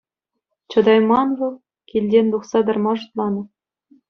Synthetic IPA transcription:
t͡ɕɤ̆d̪ɑjmɑnʋɤ̆lˠ | kʲilʲdʲenʲd̪uχsɑd̪ɤ̆rmɑʐɤ̆t̪lˠɑnɤ̆

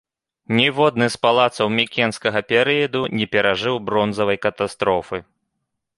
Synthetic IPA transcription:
nʲɛvɔd̪̚nɨspalˠat̪sɐwmʲikʲɛnskɐɣɐpʲɛɾɨjɐd̪unʲɛpʲɛɾaʐɨwbɾɔnzɐvɐjkɐt̪ast̪ɾɔfɨ

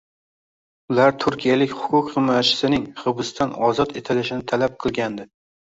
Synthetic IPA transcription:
ʊlaɾt̪ʰʊɾkʲijalɪkʲhʊ̥kʰʲʊkʲχɨmːɒjat͡ʃʰɪ̥sɪnɪŋχɨbɨst̪ʰanɒzɒt̪e̞t̪ʰɪlɪʃɪnɪt̪ʰalap̚qʰɨlˠɡʲand̪ɪ

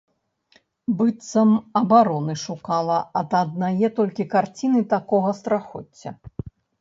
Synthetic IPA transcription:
bɨt̪sɐmɐbaɾɔnɨʂukalˠɐɐd̪ɐd̪̚najɛt̪ɔlʲkʲikart͡sʲinɨt̪akɔɣɐst̪ɾaxɔt͡st͡sʲːɐ̰

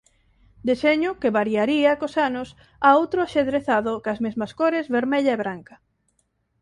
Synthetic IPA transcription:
d̪eseɲʊkeβaɾiaɾiɐkosanʊs | aowt̪ɾoaʃeðɾeθaðʊkɐzmezmɐskoɾezβeɾmeʎaeβɾaŋkɐ

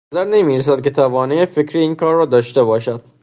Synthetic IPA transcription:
æzæɾnemiːɾes̬æd̪̚ke̞t̪ʰævɒːneefekʰɾiiːnkʰɒːɾːɒːd̪ɒːʃt̪ebɒːʃæd̪̥

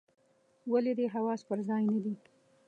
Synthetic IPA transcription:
waled̪eɦawɑspəɾzɑjnad̪i

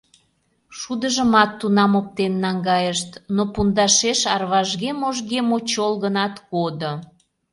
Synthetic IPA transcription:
ʃud̪əʒəmɑt̪ːunɑmop̚t̪enːɑŋɡɑjəʃt̪nopund̪ɑʃeʃɑrβɑʒɣemoʒɣemot͡ɕolɣənɑt̪kod̪o

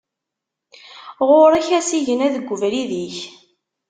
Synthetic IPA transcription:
ʁoɾæçæsiʝənæðəɡʷːʊvɾiðiç

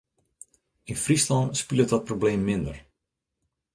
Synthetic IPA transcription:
infrislɔnspilˠət̚dɔt̚probleːmːɪndər

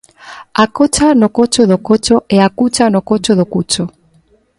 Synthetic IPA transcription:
akot͡ʃanokot͡ʃoðokot͡ʃoeakut͡ʃanokot͡ʃoðokut͡ʃo

